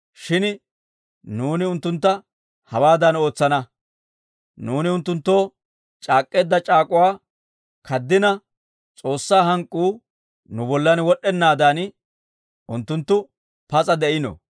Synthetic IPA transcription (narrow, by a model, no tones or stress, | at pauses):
ʃɪn | nuːnɪʊnt̪ːʊnt̪ːɐ | hɐwaːd̪ɐno̞ːt͡sːɐnɐ | nuːnɪʊnt̪ːʊnt̪ːo̞ː | t͡ʃʼaːkʼːe̞ːd̪ːɐt͡ʃʼaːkʼʊwaː | kʰɐd̪ːɪnɐ | t͡sʼo̞ːsːaːɦɐŋkʼːuː | nʊbɔlːɐnwɔɗɛnːaːd̪an | ʊnt̪ːʊnt̪ːʊ | pɐt͡sʼɐd̪ɛʔɪnɔ̰